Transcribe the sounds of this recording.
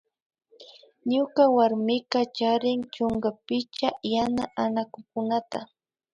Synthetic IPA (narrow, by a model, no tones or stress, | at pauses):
ɲʊkawaɾmɪkat͡ʃaɾɪŋt͡ʃʊŋɡapɪt͡ʃajanaʔanakʊkʊnat̪a